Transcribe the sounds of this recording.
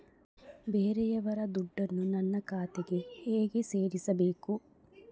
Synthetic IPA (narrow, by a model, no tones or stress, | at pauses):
beːɾɛjɐʋɐɾɐd̪uɖːɐnːunɐnːɐkaːt̪eɡe̞eːɡeseːɾisɐbeːku